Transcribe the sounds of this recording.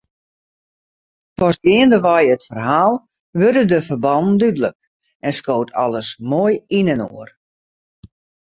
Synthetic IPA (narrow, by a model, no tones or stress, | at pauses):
pɔsdɪəndəʋɔjətfərɦaːlˠ | ʋørdədəfərbɑnn̩dydələk̚ | ɛnskoːwtʰɑ̰ləsmoːjinənoər